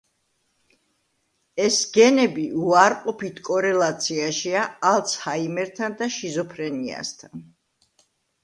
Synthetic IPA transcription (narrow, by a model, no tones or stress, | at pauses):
ɛsɡ̥ɛnɛbiʔuaɾqʼɔpʰit̪ʰkʼɔɾɛlˠat̪sʰiaʃiaalˠt̪sʰhaimɛɾt̪ʰand̪aʃizɔpʰɾɛnia̰st̪ʰan